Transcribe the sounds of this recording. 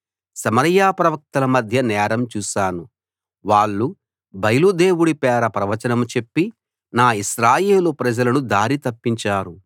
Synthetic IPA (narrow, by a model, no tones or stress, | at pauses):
sɐmɐɾjaːpɾɐʋɐk̚t̪ɐlɐmɐd̪ʱjɐnɛːɾɐmt͡ʃuːʃaːnu | ʋaːɭːu | bɐjlud̪eːwuɽipɛːɾɐpɾɐʋɐt͡ʃɐnɐmut͡ʃe̞pːi | naːiʃɾaːje̞ːlupɾɐd͡ʒɐlɐnud̪aːɾit̪ɐpːiɲt͡ʃaːɾu